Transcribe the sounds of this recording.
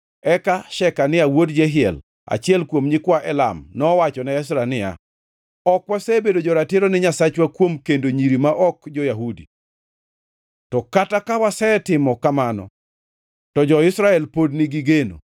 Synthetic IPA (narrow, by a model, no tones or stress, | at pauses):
ɛkaʃɛkanɪawodd͡ʒɛɦɪɛ̰l | a̰t͡ʃɪɛlkwomɲɪkwaʔɛla̰mnɔwat͡ʃɔnɛɛs̬ɾanɪja̰ | ɔkwasɛbedod͡ʒɔɾatɪɾonɪɲasat͡ʃwakwomkendoɲiɾimaʔɔkd͡ʒɔjaɦudḭ | tɔkatakawasɛtɪmɔkamanɔ̰ | tɔd͡ʒɔɪsɾaɛlpodnɪɡɪɡeno̰